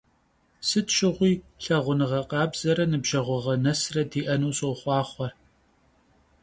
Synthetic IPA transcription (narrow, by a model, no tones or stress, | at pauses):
sɨtʃɪʁʷiːɬɐʁʷʊnɨʁɐqɑːbz̥ɐɾɐnɨbʒɐʁʷɔʁɐnɐsrɐdiːʔɐnuːsowχʷɑːχʷɔr